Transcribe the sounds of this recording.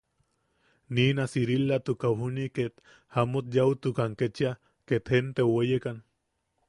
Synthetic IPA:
niːnasiɾilːat̪ukaɦuniket̪ | hamot̪̚jaut̪ukaŋket͡ʃia | ket̪hent̪ewejekan

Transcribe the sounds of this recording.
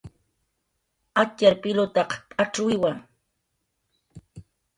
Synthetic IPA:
at͡ʃaɾpɪlʊt̪ɑqpʼaʈ͡ʂʊjwaŋ

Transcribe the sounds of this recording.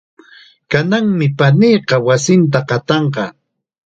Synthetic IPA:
kanaŋmɪpanijqɑwasɪnt̪̬aqɑt̪ɑɴqɑ

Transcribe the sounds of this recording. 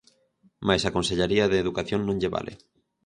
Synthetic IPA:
majsakonseʎaɾiaðeːðukaθjõŋnõŋʎeβa̰lʔḛ

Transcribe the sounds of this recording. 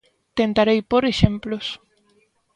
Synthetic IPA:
t̪ent̪aɾejpoɾeʃemplos

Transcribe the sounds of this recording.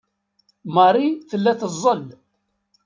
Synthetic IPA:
mɑɾˤiθəlːæθəzˤːəl

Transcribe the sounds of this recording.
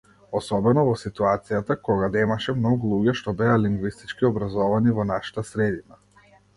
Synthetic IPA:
ɔsɔbɛnɔvɔsit̪uat̪sijat̪akɔɡad̪ɛmaʃɛmnɔɡulˠuɟɛʃt̪ɔbɛaliŋɡvist̪it͡ʃkiɔbɾazɔvanivɔnaʃḁt̪asɾɛd̪ina

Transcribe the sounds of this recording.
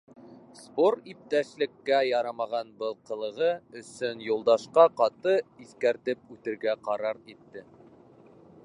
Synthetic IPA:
spoɾip̚t̪æʃlɘ̆kːæjɑɾɑmɑʁɑnbɤlˠqɤ̆lˠɤ̆ʁɤɵ̆sɵnjulˠd̪ɑʃqɑqɑt̪ɤiθkæɾt̪ɘp̚ʉt̪ɘ̆ɾɡæqɑɾɑɾit̪ːɘ

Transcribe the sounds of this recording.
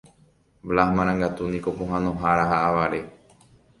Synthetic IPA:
ʋlahmãɾ̃ãŋɡat̪unĩkopõɦãnõɦaɾaɦaʔaʋaɾe

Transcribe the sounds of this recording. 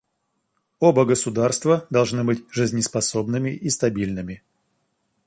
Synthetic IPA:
obəɡəsʊd̪arst̪vəd̪ɐlˠʐnɨbɨtʲʐɨzʲnʲɪspɐsobnɨmʲɪʔist̪ɐbʲilʲnɨmʲɪ

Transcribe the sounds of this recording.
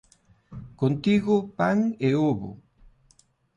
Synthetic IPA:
kont̪iɣopaŋeoβo̰

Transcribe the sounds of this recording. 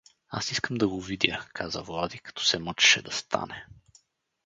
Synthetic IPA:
a̰siskəmd̪ɐɡovid̪ʲjəkʰazə̰vlˠad̪ikɐ̥t̪ɔ̥sɛmət͡ʃɛ̥ʃɛd̪ɐst̪ʰa̰nɛ

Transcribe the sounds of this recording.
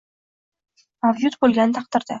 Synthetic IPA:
avjut̪bɵlɡʲænnt̪ɑq̚t̪ə̆ɾd̪ə

